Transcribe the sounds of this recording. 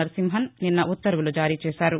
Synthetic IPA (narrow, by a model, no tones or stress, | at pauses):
ɐɾsimɦɐnninːɐʔut̪ːɐɾʋulud͡ʒaːɾiːt͡ʃɛːʃaːɾu